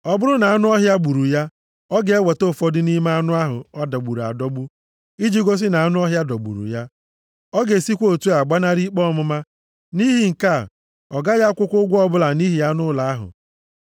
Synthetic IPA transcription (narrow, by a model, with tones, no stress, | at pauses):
ɔ˨bʊ˦ɾʊ˦na˨a˦nʊ˦ɔ˦ɦja˦ɡ͡bu˨ɾu˨ja˦ | ɔ˦ɡe˨e˦we˨to˦˨fɔ˦dɪ˦ni˦ma˦a˦nʊ˦a˦ɦʊ̰˨ɔ˦da˨ɡ͡bu˨ɾa̰˨dɔ˦bu˦ | i˦d͡ʒi˦ɡo˦s̬i˦na˨a˦nʊ˦ɔ˦ɦja˦dɔ˨ɡ͡bṵ˨ɾṵ˨ja˦ | ɔ˦ɡe˨si˦kʷo˦˨tu˦a˨ɡ͡ba˦na˦ɾi˦k͡pɔ˦˨mʊ˦ma˦ | ni˦ɦi˨ŋ̩˨ka˦˨ | ɔ˨ɡa˦ja˦kʷʊ˦kʷʊ˦ɡʷɔ˦bʊ˦la˨ni˦ɦi˨ja˦nʊ˦la˨a˦ɦʊ̰˨